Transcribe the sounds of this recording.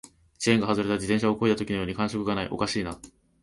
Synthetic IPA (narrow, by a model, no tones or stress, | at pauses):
t͡ɕieŋɡaɦazɨɾe̞t̪ad͡ʑid̪ẽɕ̬aoko̞it̪at̪o̞kʲino̞jo̞ːɲ̟ikãɰ̃ɕo̞kɯ̟ɡanaḭʔo̞̰kaɕiːna